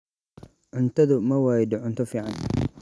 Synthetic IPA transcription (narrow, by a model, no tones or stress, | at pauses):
ʕʊnt̪ʰɐðʊmɐwɑːjd̪ʊʕʊnt̪ʰɔfiːʕɑn